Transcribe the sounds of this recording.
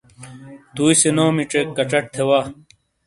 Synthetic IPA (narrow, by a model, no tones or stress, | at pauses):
t̪uːisenoːmiʈ͡ʂekːɐt͡ɕɐʈ̚t̪ʰewaː